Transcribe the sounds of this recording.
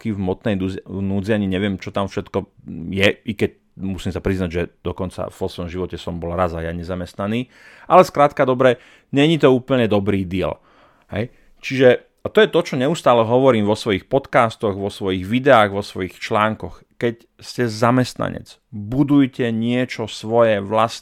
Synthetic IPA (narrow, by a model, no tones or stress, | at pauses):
kivmɔt̪nɛjnuːd͡ziaɲiɲɛʋɪɛmt͡ʃɔt̪amfʃɛt̪kɔjɛʔikɛc̚ | musiːmsapɾiznaɟʒɛd̪̥ɔkɔnt͡sa̰vɔsʋɔmʒiʋɔcɛsɔmbɔlɾazajaɲɛzamɛst̪naniː | ʔalɛskɾaːt̪kad̪ɔbɾɛ | ɲɛɲit̪ɔuːpl̩ɲɛd̪ɔbɾiːd̪iɛ̰l | ɦɛ̰j | t͡ʃiʒɛ | at̪ɔjɛt̪ɔt͡ʃɔɲɛust̪aːlɛɦɔʋɔɾiːmʋɔsʋɔjixpɔt̪kaːst̪ɔɣʋɔsʋɔjiɣʋid̪ɛaːɣʋɔsʋɔjixt͡ʃlaːŋkɔx | kɛc | scɛzamɛst̪na̰ɲɛ̰t͡s | bud̪ujcɛɲɪɛt͡ʃɔsʋɔjɛʋlas